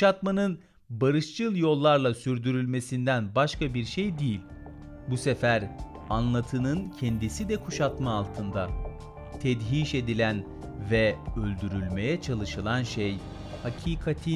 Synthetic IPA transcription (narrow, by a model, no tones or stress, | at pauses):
ʃat̪manɯn | baɾɯʃt͡ʃʰɯlˠjo̞lˠːaɾlˠasyɾd̪yɾylʲme̞sind̪ænbaʃkabiɾʃejd̪ijilʲ | busefæɾ | anlˠat̪ʰɯnɯncʰɛnd̪isid̪ɛkʰuʃat̪maːlˠt̪ʰɯnd̪a | t̪ʰɛd̪ɦiːʃe̞d̪ilʲæn | vɛølʲd̪yɾylʲme̞jɛt͡ʃʰalˠɯʃɯlˠanʃej | hacʰiːkʰat̪ʰi